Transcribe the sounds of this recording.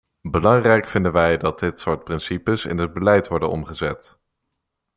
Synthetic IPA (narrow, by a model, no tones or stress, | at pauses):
bəlɑŋrɛjkfɪndənʋɛjdɑt̚dɪtsʊːɹt̚prɪnsipəsɪ̰nəd̚bəlɛjtʋɔɹdənɔ̰mχəzɛt